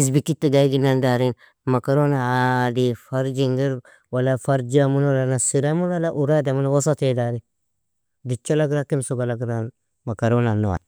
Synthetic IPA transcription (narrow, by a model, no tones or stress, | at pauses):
isbikit̪ːaɡaiɡinandaɾin | makaɾonaadifaɾd͡ʒiŋɡiɾ | walafaɾd͡ʒiamunwalanasiɾamunwalaʔuɾadamunwosatedaɾi | dit͡ʃːalaɡɾakimsuɡalaɡɾan | makaɾonanːuwa̰